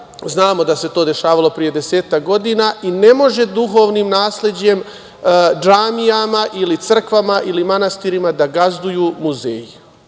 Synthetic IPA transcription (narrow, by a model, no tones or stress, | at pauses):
znaːmo̞d̪ase̞t̪o̞ːd̪e̞ʃaːʋalˠo̞pɾije̞d̪e̞seːt̪ak̚ɡo̞d̪iːnaːʔine̞mo̞ʒe̞d̪uɦo̞ːʋniːmnaːsle̞d͡ʑe̞m | d͡ʒaːmijamaʔilit̪sr̩kʋamaʔilimanast̪iːɾimad̪aɡazd̪ujuːmuzḛːji